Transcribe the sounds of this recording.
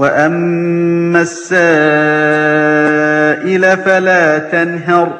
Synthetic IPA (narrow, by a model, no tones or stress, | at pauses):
waʔamː | asːaː | ʔɪlafalaːt̪anɦɑɾ